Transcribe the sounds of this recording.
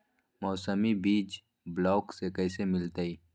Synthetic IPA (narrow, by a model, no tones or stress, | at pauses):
mɔːsəmibiːd͡ʒ | blɔːksekɐjsemɪlt̪aiː